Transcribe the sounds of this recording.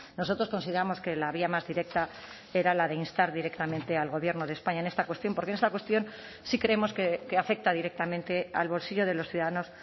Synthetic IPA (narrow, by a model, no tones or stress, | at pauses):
no̞so̞t̪ɾo̞sko̞nsiðe̞ɾamo̞ske̞laβ̞iamazðiɾe̞k̚t̪a | e̞ɾalaðe̞inst̪aɾðiɾe̞kt̪amẽnt̪e̞alɣo̞βje̞ɾnoðespaɲaene̞st̪akwest̪jo̞mpoɾkenest̪akwe̞st̪jo̞n | sikɾe̞emo̞skekeafe̞k̚t̪aðiɾe̞k̚t̪amẽnt̪e̞a̰lβo̞lsiʎo̞ð̞e̞loθjuðaðano̞s